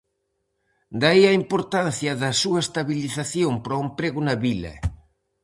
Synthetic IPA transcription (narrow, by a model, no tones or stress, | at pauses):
d̪aiɐimpoɾt̪an̟θjɐðɐsuɐest̪aβiliθaθjompɾɔempɾeɣʊnɐβilɐ̰